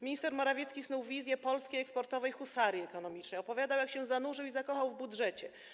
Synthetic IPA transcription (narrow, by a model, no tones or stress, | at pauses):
mʲiɲist̪ɛɾmɔɾavʲjɛt̪skʲisnuwvʲizʲjɛpɔlskʲejɛkspɔɾt̪ɔvɛjxusaɾjiɛkɔn̪ɔmʲit͡ʂnɛjɔpɔvʲjad̪awjakɕɛ̃zanuʐɘwizakɔxawvbudʐɛt͡ɕɛ